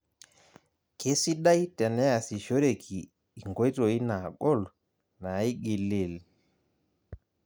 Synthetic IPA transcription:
ke˦si˦ɗa˦jtɛ˨nɛ˦a˨si˨ʃo˦ɾe˨kʰiː˨ | ŋɡo˦jto˨i˦na˨ɡɔ˦˨l | na˨i˦ɡi˨le˨l

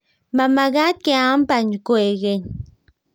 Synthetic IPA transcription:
ma˨ma˨ɡa˦t̪̚ke˧a˦mpa˨ɲkue˨ɡe˦ɲ

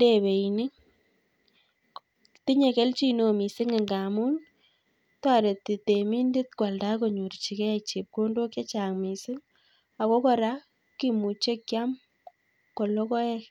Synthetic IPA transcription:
nde˨βe˨inɪ˦ŋ | ti˦ɲe˨ke˦lt͡ʃi˦no˨mi˨sɪ˦ŋɪ˨ŋɡa˨mu˦n | ta˦˨ɾe˨ti˨te˨mi˦ndɪ˦t̚kwa˨lda˦ko˨ɲu˨ɾt͡ʃi˨kɛ˦a˨k̚t͡ʃi˨p̚ko˦ndo˦ke˦t͡ʃa˨ŋmi˨sɪ˦ŋ | a˨ko˦kɔ˨ɾa˦ | ki˦mu˨t͡ʃe˦kja˦m | kɔ˨lo˦kɔ˦ɛ˦k

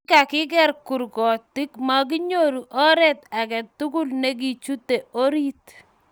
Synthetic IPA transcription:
ka˨kɪ˦ɡɛ˦ɾku˨ɾɡɔ˨tɪ˦kma˦k̬i˦ɲo˦ɾu˨ʔɔ˦ɾɛ˦t̪a˨kɛ˨t̪ːu˦kʊ˦lne˦ɡ̬i˦˨t͡ʃu˦t̪ːe˨o˦ɾi˦t̪

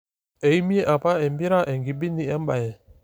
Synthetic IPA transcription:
e˨i˦mi˦e˦ʔa˨pa˦ɛ˨m˦bi˦ɾa˦ʔɛ˨ŋɡi˨bi˦ni˨ɛ˦m˦ba˨jɛ˨

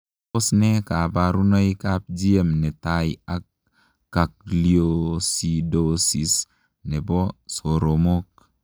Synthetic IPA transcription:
o˦snɛ˦ka˨baɾu˦nɔ˦i˦kap̚d͡ʒi˦e˦mnɛ˨taia˦kː | a˨k̚liosidosi˨s | nɛ˨bɔ˦so˨ɾo˨mo˦k̚

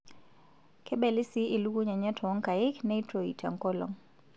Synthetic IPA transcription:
kʰɛ˦ɓɛ˨li˦si˦ʔi˨lu˦ɡu˦ɲa˨ɲa˦tʰɔ˨ɔ˦ŋka˨i˦kna˦itɾɔḭ˨tʰa̰˨ŋkɔ˦lɔ̰˨ŋ

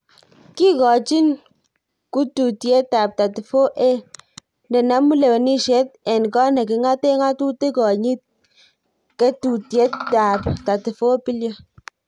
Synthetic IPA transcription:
ki˦kɔ˨t͡ʃi˦n | ku˦tu˨tje˦ta˨p̚ta˨ti˨fo˦ʔe˦ | ndɛ˨na˨˦mu˦le˨we˨ni˦ʃe˦t̚ɛ˨nkɔ˦ne˨kɪ˨˦ŋa˦te˦ŋa˦tu˦te˦kɔ˨ɲi˦t̚ | ke˦tu˨tje˦tːa˨pta˨ti˨fo˦pi˦ljo˦

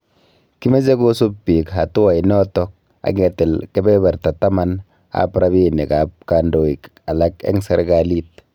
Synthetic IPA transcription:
ki˦me˦ze˦ko˦su˦pːi˨kɦa˨tu˦wa˨jnɔ˦tɔ˦k̚ | a̰˨ɡɛ˨tɛ˨lkɛ˦bɛ˦bɛ˨ɾta˨ta˦ma˦n | a̰˨pɾa˦βi˦ne˨ka˨p̚ka˨ndo˨i˨k | a˨la˦kḛ˦ŋse˦ɾɡali˦t̚

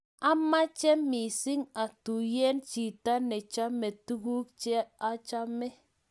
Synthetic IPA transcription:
a˦ma˦t͡ʃe˦mi˨si˦ŋa˨tu˨je˦nt͡ʃi˨ta˦ne˨t͡ʃa˦me˨tu˦ɡu˦k̚t͡ʃɛ˦a˦t͡ʃa˦me˦

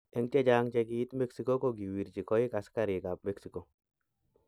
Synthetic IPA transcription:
ɛ˨ŋt͡ʃɛ˦d͡ʒaŋt͡ʃɛɡii˦t̪me˦ksi˦ko˦koɡi˨wi˨ɾt͡ʃi˨kɔ˦ɪ˦ka˨skaɾi˨ɡa˨p̚me˦ksi˨ko˨

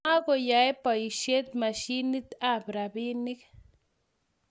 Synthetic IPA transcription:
a˦ko˨ja˨e˦pa˨i˨ʃe˦t̪̚ma˨ʃi˦ni˦t̪a˦˨bɾa˨bi˦ni˦k

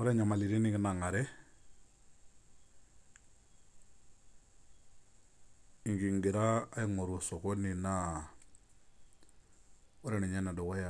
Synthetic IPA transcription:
ɔ˦ɾe˦ɲa˨ma˨li˨ɾi˦ni˦ɡi˦na˨ŋa˨ɾɛ˦ | i˨ŋɡi˨ŋɡi˨ɾaː˦ji˦ŋo˨ɾu˨sɔ˨ko˦ni˨na˦ | ɔ˦ɾe˦ni˨ɲa˦na˨dɔ˨ko˦ja˨

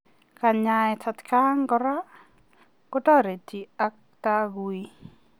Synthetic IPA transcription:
ka˨ɲaɛtʰa˨t̪ka˦ŋɡɔɾa˦ | kɔ˦tɔ˦ɾe˨ti˨a˦k̚t̪a˦ɡui˦

